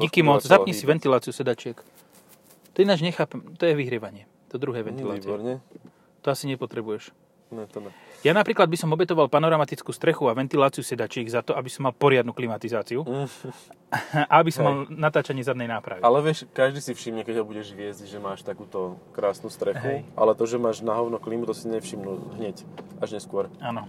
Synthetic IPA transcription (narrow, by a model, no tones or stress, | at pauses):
ikimɔt͡szapɲɛsiʋɛnt̪ilaːt͡siusɛd̪at͡ʃɪɛk | t̪ɔinad͡ʒɲɛxaːpɛmt̪ɔjɛʋiɦɾɪɛʋaɲɪɛ | t̪ɔd̪ɾuɦɛːʋɛnt̪ila̰ɛɔɾɲɛ | t̪ɔasiɲɛpɔt̪ɾɛbujɛʃ | nɛt̪janapɾiːklad̪bisɔmɔbɛt̪ɔʋalpanɔɾamat̪it͡skuːst̪ɾɛxuaʋɛnt̪ilaːt͡sijusɛd̪at͡ʃɪɛɡzat̪ɔabisɔmːalpɔɾɪad̪nuːklimat̪izaːt͡siu | aabisɔmmalnat̪aːt͡ʃaɲɪɛzad̪nɛjnaːpɾa̰ʋialɛʋɪɛʃkaʒd̪iːsifʃimɲɛkɛɟɦɔbuɟɛʒʋɪɛzɟʒɛmaːʃt̪akuːt̪ɔkɾaːsnuːst̪ɾɛxuʔa̰lɛt̪ɔʒɛmaːʒnaɦɔʊnɔkliːmut̪ɔsiɲɛfʃimnuɦɲɛcaʒɲɛskʊɔɾaːnɔ